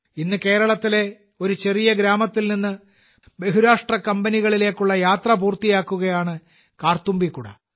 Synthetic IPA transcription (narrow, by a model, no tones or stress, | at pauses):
inːɨke̞ːɾɐɭɐt̪ːile̞ | o̞ɾut͡ɕe̞rijɐɡɾaːmɐt̪ːilninːɨ | be̞ɦuɾaːʂʈrɐkɐmbɐniɣɐɭile̞ːkːuɭːɐjaːt̪rɐpuːrt̪ijaːkːuɣɐjaːɳɨ | kaːrt̪umbikːuɽɐ̰